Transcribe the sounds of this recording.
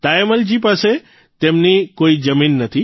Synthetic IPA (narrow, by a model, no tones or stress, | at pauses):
t̪aeməld͡ʒipase | t̪emnikoid͡ʒəminːət̪ʰi